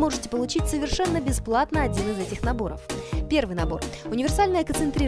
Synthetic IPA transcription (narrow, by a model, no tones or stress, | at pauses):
mo̞ʐɨtʲɪ̥pəlˠʊt͡ɕitʲsəvʲɪrʂɛnːəbʲɪsplˠat̪nəɐdʲinɨzɛtʲɪxnɐbo̞ɾə̰fpʲe̞rvɨjnɐbo̞rʊnʲɪvʲɪrsalʲnəjəkənt̪sɨnt̪ɾʲi